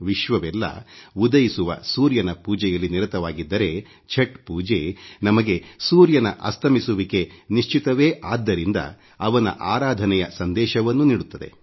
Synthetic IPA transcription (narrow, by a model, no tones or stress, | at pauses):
ʋiʃʋɐʋɛlːɐ̰ud̪ɐjisuʋɐ̰suːɾjɐnɐpuːd͡ʒɛjɐlːiniɾɐt̪ɐʋaːɡid̪ːɐɾe̞ | t͡ʃʰeʈpuːd͡ʒenɐmɐɡe̞suːɾjɐnɐʔɐst̪ʰɐmisuʋike̞niʂt͡ʃit̪ɐʋeːʔaːd̪ːɐɾind̪ɐ̰ | ɐʋɐnɐ̰ʔaːɾaːd̪ʱɐnɛjɐsɐnd̪ɛːʃɐʋɐnːuniːɽut̪ːɐd̪e̞̰